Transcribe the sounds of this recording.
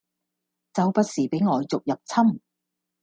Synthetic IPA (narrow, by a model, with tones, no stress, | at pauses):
t͡sɐ˨wpɐ˧t̚siː˨˩pe˨˥jŋɔː˨˧jt͡sʊ˨k̚jɐ˨p̚t͡sʰɐ˥m